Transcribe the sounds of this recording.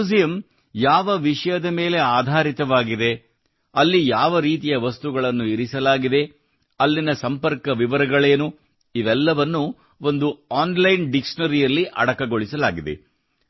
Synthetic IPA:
ud͡ʒijɐm | jaːʋɐʋiʂɐjɐd̪ɐme̞ːle̞aːd̪ʱaːɾit̪ɐʋaːɡid̪e̞ | ɐlːijaːʋɐɾiːt̪̬ijɐʋɐst̪uɡɐɭɐnːuiɾisɐlaːɡid̪e̞ | ɐlːinɐsɐmpɐɾkɐʋiʋɐɾɐɡɐɭe̞ːnu | iʋɛlːɐʋɐnːu | o̞nd̪uaːnlɐjnɖikʂɐnɐɾijɐlːiʔɐ̰ɽɐkɐɡo̞ɭisɐlaːɡid̪ḛ

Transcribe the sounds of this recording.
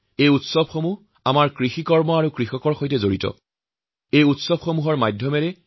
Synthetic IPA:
ejutsɔbxomuɦ | amaɹkɹixikɔɹmɔaɹukɹixɔkɔɹxojtɛzoɹitɔ̰ | ejutsɔbxomuɦɔɹmajdʱjɔmɛɹɛ

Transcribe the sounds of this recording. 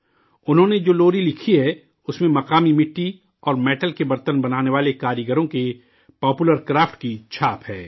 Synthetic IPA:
ʊnɦõːned͡ʒoːloːɾilɪkʰiɦɛ | ʊsmẽmɐqaːmimɪʈːi | ɔːɾmɛːʈəlkebɐɾt̪ənbɐnaːneʋaːlekaːɾjəɡəɾõke | pɔːpuləɾkɾaːfʈkit͡ʃʰaːpɦɛː

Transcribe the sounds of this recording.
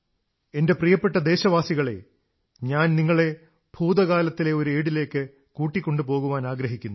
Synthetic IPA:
e̞nde̞prijɐpːeʈːɐd̪e̞ːɕɐʋaːsiɣɐɭe̞̰ | ɲaːnniŋːɐɭe̞ | b̥ʱuːd̪ɐɣaːlɐt̪ːile̞o̞ɾue̞ːɽile̞ːkːɨ | kuːʈːikʲːo̞ɳɖɨpo̞ːɣuʋaːnaːɡɾɐɦikʲːunːu

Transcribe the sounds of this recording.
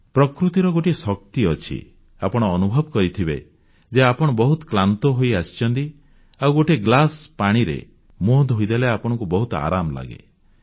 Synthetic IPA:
pɾɔkɾut̪iɾɔɡoʈisɔk̚t̪iɔt͡ʃʰḭ | apɔɽ̃ɔːnubʱɔbɔkɔɾit̪ʰibe | d͡ʒeapɔɽ̃ɔbɔɦut̪ɔ̥klant̪ɔɦojast͡ʃɔnt̪i | awɡoʈeɡlaspaɽ̃iɾḛ | mod̪ɦojd̪eleapɔɽ̃ɔŋkubɔɦut̪ɔa̰ɾamla̰ɡḛ

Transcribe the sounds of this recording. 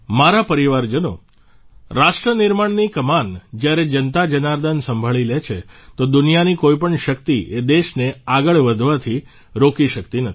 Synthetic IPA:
maɾapəɾiʋaɾd͡ʒəno̰ | ɾaʃʈɾənɪɾmaɳnikəmand͡ʒjaɾed͡ʒənt̪ad͡ʒənaɾd̪ansə̃mbʱaɭilet͡ʃʰet̪od̪ʊnijanikoipəɳʃək̚t̪iʔed̪eʃneaɡəɭʋəd̪ʱʋat̪ʰi | ɾokiʃəkt̪inət̪

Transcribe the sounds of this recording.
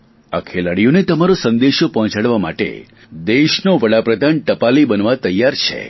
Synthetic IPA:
ə̰kʰelaɽijonet̪əmaɾosənd̪eʃopɔɦɔ̃t͡ʃaɽʋama̰ʈḛ | d̪eʃnoʋəɽapɾəd̪ʱanʈəpalibənʋat̪əjːaɾt͡ʃʰḛ

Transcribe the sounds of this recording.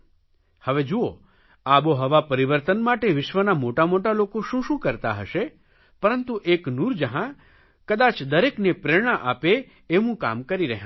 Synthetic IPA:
həʋed͡ʒuo | aboɦəʋapəɾiʋəɾt̪ənmaʈeʋɪʃʋənamoʈamoʈalokoʃũʃũkəɾt̪a̰ɦə̰ʃe | pəɾənt̪uʔeknuɾd͡ʒəɦã | kəd̪at͡ʃd̪əɾeknepɾeɽ̃aʔapeː | ʋũka̰mkəɾiɾəɦjã

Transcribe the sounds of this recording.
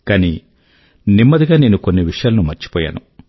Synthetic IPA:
kaːni | nimːɐd̪iɡaːne̞ːnukonːiʋiʂɐjaːlɐnumɐɾt͡ʃi̥pɔːja̰ːnu

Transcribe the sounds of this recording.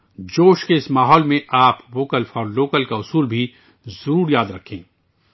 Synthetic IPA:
d͡ʒoːʃkeɪsmaːɦɔːlmẽʔaːpʋoːkəlfɔːɾloːkəlkaʊsuːlbʱi | zuuːɾjaːd̪ɾɐkʰḛ̃ː

